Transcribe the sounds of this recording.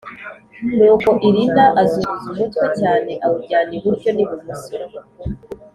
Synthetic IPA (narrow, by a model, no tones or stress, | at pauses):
nuːko̞ʔiɾindaʔazuɾuzuʒetkwecaːne̞ʔaβuɟaːneβuɾɟo̞niβumusiɾo